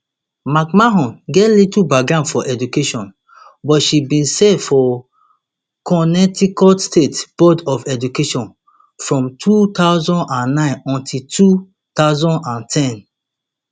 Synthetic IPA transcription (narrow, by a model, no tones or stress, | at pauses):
makmaɦɔ̃nɡɛtlitubaɡɹãʊ̃dfɔʔɛdukeʃɔ̃n | bɔtʃibĩnsɛfɔ | kɔnɛtikɔlstetb̥ɔdɔfɛd͡ʒukeʃɔ̃n | fɹɔ̃mtʰut̪aʊzɔ̃nãnːãɪ̃nɔ̃ntʰiltʰu | t̪aʊzɔ̃ndãntʰɛ̃n